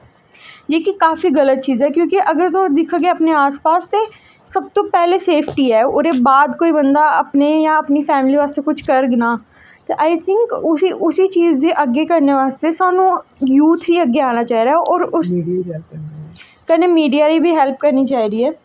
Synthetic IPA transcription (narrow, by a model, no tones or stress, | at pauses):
jeːkikaːfiɣɐlət̪̚t͡ʃiːzɛkjõːkiʔɐɡəɾt̪od̪ɪkʰaɡeəpneaːspaːst̪e | sɐb̚t̪oːpɛːleseːpʰʈiːɛːʊɾebaːd̪koːibənd̪aɐpnejãɐpnifɛːmɪliʋaːst̪ekʊt͡ʃʰkəɾɡnaː | t̪eʔaːɪt̪ʰɪŋkʊsiʔʊsit͡ʃiːzd̪iʔəɡːekɐɾneʋaːst̪esaːnũjuːt̪ʰɦiɐɡːeaːnat͡ʃaːɦiɾaːɦɛʔɔːɾʊs | kɛnemiːɖijaːɾibʱiɦɛlp̚kəɾnit͡ʃaːɦiɾiːɛː